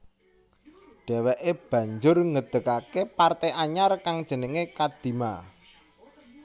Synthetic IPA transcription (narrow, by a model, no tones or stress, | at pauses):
ɖ̪̥ɛ̤wɛʔeb̥ä̤ɲd͡ʒʊrŋəd̪̥ə̤kakepart̪eʔaɲarkaŋd̥ʒ̥ə̤nəŋekad̪̥i̤ma̰